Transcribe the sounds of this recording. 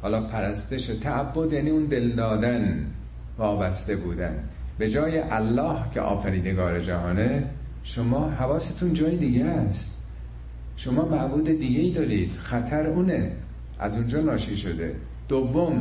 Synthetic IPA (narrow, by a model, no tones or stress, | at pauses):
hɒːlɒːpʰæɾæst̪eʃet̪ʰæʔːbːo̞d̪jæːniːuːnd̪e̞ld̪ɒːd̪æn | vɒːbæst̪e̞buːd̪æ̰nbe̞d͡ʒɒːjeʔælːɒːhcʰḛʔɒ̰ːfæɾiːd̪eɡɒːɾe̞d͡ʒæhɒːne | ʃomɒːɦævɒːset̪ʰund͡ʒɒːjed̪iɡest̪ | ʃo̞mɒːmæbuːd̪ed̪iɡeiːd̪ɒːɾiːd̪̥xæt̪ʰæɾuːne | ʔæ̰zund͡ʒɒːnɒːʃiːʃod̪e̞̰ | d̪̥ovːom